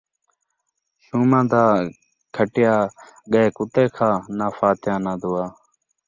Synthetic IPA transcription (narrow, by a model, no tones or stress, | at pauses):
ʃuːmãːd̪aː | kʰəʈɪjaːɠəkʊt̪eːkʰãːnaːfaːt̪jãːnãːd̪ʊːaː